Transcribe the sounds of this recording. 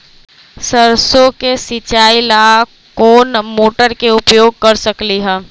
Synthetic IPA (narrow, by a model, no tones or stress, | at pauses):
səɾsokesɪt͡ʃaːɪlaː | koːnmoːʈəɾkeʊpjoːɡ̚kɐɾsəkliɦɛ̃ː